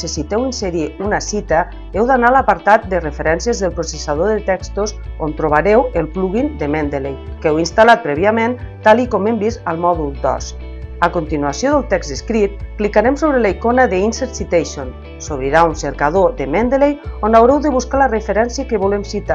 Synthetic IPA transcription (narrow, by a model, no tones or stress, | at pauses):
sesit̪ɛwinseɾiunasit̪ə | ewd̪analapaɾt̪at̪̚d̪ərefeɾɛnsiəzðəlˠpɾosesaðoðət̪ɛkst̪osont̪ɾoβ̞aɾɛwəlˠpluɣind̪emɛnd̪elejkɛwinst̪alat̪̚pɾɛβiament̪alˠikɔmembisalˠmɔðuld̪ɔ̰s | akont̪inuasjoðəlˠt̪ɛkzt̪əskɾit̪̚klikaɾemsoβɾelaikonəðəinseɾt̪sit̪ejʃon | soβɾiɾaunseɾkað̞oðemɛnd̪əlejonawɾɛwðəβuskalərəfeɾɛnsiəkəβolemsit̪a